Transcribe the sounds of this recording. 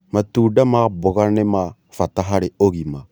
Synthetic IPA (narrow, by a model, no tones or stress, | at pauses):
matuːdamabʊɣanema | fataɦaɾɪoɣima